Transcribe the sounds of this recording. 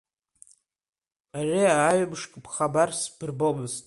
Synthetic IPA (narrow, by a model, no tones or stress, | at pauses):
aʕiaːɥabʂkʼbχabarsbɨrbomɨztʼ